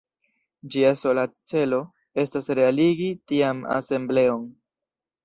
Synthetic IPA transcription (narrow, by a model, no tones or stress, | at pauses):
d͡ʒiaso̞lat͡se̞lo̞ | e̞stasɾe̞aliɡitiama̰se̞mble̞o̞n